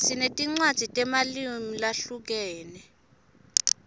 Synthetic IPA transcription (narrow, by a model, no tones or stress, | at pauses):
sinetʼiŋ͡ǀwad̥z̥ʱitʼɛmalimilaɬuk̬ɛːnɛ